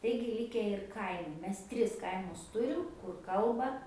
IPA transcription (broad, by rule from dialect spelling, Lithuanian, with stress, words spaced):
ˈtɐɪɡʲɪ ˈlʲɪkʲɛ ɪr ˈkɐɪmʊ ˈmʲɛs ˈtʲrʲɪs ˈkɐɪmʊs ˈtʊrʲɪm kʊr ˈkɐlˠbɐ